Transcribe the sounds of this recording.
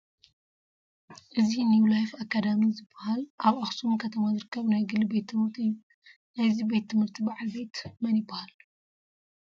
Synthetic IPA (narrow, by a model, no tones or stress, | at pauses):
ʔɨzinjuwlajfakːad̪amizɨbːɐhalʔaβaxsumkʰɐt̪ʰɐmazɨɾɨkʰːɐβnajɡɨlːibet̪ʰːɨmɨɾt̪ʰiɨjːu | najzibet̪ʰːɨmhɨɾt̪ʰibaʕalbe̞t̪mɐnjɪbːahal